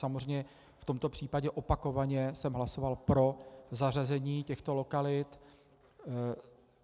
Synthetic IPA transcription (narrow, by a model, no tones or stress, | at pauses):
samorɛɲɛ | ft̪o̞mt̪o̞pr̝̥iːpaɟɛʔo̞pako̞vaɲɛsɛmɦlaso̞valpɾo̞zarazɛɲiːcɛxt̪olo̞kalɪt̪